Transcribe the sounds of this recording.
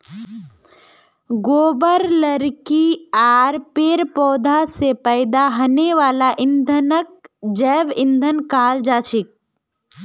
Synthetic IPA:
ɡoːbəɾləɾkiaːɾpeːɾpɔːd̪ʱasepəɪd̪aɦɐneʋaːlaʔɪnd̪ʱənək̚d͡ʒɛːʋɪ̃nd̪ʱənkaːld͡ʒaːt͡ʃɪk̚

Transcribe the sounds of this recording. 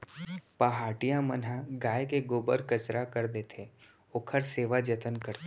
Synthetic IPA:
paɦaːʈijãmənɦaɡaːjkeɡoːbəɾkət͡ʃɾʔakəɾd̪et̪ʰe | oːkʰəɾseːʋad͡ʒət̪ənkəɾt̪

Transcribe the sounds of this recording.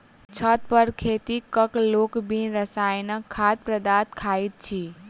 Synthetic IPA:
t͡ʃʰət̪̚pəɾkʰet̪ikəkloːkbʱinɾəsaːjnəkʰːat̪̚pɾəd̪at̪kʰait̪̚t͡ʃʰi

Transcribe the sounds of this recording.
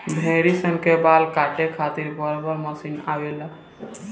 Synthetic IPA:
b̪ʱẽɾisəŋkebalkaʈekʰat̪iɾbəɾbəɾməsinaʋela

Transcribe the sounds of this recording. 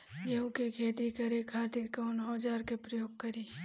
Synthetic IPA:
d͡ʒeũkekʰeːt̪ikɐɾekʰaːt̪ɪɾkaʊnɦoːd͡ʒaːɾkepɾɐjoːɡ̚kɐɾiː

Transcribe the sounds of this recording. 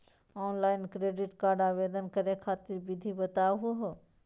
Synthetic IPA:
ɔːnlaːɪnkɾeːɖɪʈkaːɾɖaːʋeːd̪ənkəɾekʰaːt̪ɪɾbɪd̪ʱibət̪aːɦuɦo

